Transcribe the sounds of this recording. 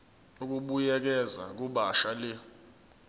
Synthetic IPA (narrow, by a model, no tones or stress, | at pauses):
uk̬uɓujɛk̬ɛza̰k̬uɓaʃalɛ